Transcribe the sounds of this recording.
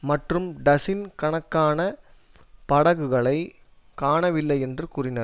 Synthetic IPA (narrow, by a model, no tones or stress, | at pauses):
mɐʈrɯmɖɐsɪnkɐɳɐkːaːnɐ | pɐɽɐɣɯɣɐɭɐɪ | kaːɳɐʋɪlːɐɪɛndrɯkuːrɪnɐɾ